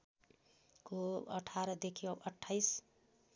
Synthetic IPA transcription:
koʌʈʰaɾʌd̪ekʰiʌʌʈʰːajs

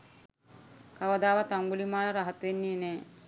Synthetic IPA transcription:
kaʋɐd̪aːʋat̪aŋɡulimaːlɾaɦat̪ʋenːiːnɛː

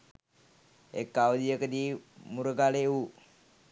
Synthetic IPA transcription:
ḛkːawd̪ijəkəd̪imuɾəɡaleu

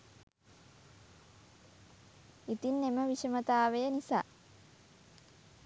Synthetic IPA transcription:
it̪inːeməʋiʃəmət̪aːʋejənisa̰ː

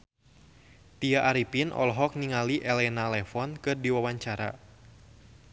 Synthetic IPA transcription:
t̪iaʔaɾipinʔɔ̰lɦɔk̚niŋaliʔɛlɛnalɛfɔnkɨrdiwawaɲt͡ʃaɾa̰

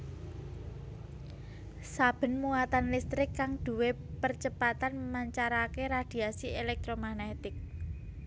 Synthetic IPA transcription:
sab̥ə̤nmuat̪anlist̪ɾɪkːaŋd̪̥ṳwe | pərt͡ʃəpat̪anmaɲt͡ʃaɾakeɾad̪̥i̤asielɛk̚t̪ɾomanet̪ɪk̚

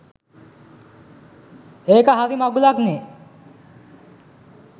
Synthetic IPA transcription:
eːkəɦaɾimaɡulakne

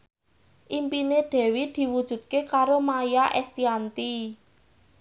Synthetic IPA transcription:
ʔimpineɖ̪̥ɛ̤wid̪̥i̤wud̥ʒ̥ṳd̪̚kekaɾomajaʔɛst̪iant̪i

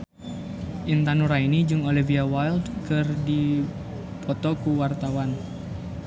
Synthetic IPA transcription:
ʔint̪anuɾainid͡ʒɨŋɔliviawajldkɨrdi | pʰɔt̪ɔkuwart̪awan

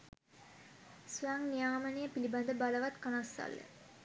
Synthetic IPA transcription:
suaŋnijaːmənijəpiliband̪əbaləʋat̪kanasːa̰lːə̰

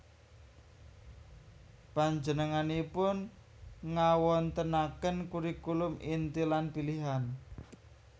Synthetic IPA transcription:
paɲd͡ʒənəŋanipʊn | ŋawɔnt̪ənakənkuɾikulʊmint̪ilanpiliɦan

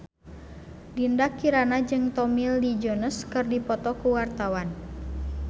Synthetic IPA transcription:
dindakiɾanad͡ʒɨŋt̪ɔmildid͡ʒɔnəskɨrdipɔt̪ɔkuwart̪awan

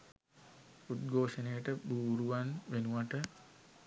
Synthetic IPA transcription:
ut̪̚ɡʱoːʂənejəʈəbuːɾuʋanʋenuʋaʈə

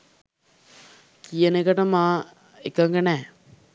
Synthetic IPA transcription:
kijənəkəʈəmãː | ekəŋɡənɛː

